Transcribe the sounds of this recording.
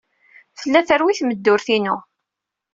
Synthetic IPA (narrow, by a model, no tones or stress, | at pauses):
θəlːæθəɾwiθməd̪ːʊɾθinʊ